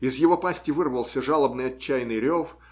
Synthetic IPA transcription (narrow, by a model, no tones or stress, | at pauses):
ɪzjɪvo̞pasʲtʲɪvɨrvəlˠsʲəʐalˠəbnɨjɐt͡ɕːæjnɨjɾʲof